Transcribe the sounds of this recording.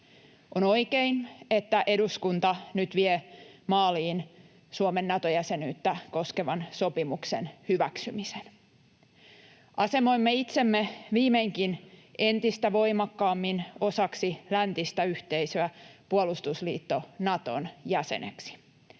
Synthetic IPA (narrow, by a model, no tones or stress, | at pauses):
ʔono̞ikeine̞t̪ːæʔe̞duskunt̪ɑnyt̪ʋiemɑːliːn | suomenːɑt̪ojæse̞nyːt̪ːæko̞skeʋɑnso̞pimuksḛnhyʋæksymisen | ʔɑse̞moimːeit̪semːeʋiːmeiŋkinʔe̞nt̪ist̪æʋo̞imɑkːɑːmːino̞sɑksilænt̪ist̪æyht̪e̞isøæpuolust̪uslḭːt̪ːo̞nɑt̪o̰njæsḛnḛksi̥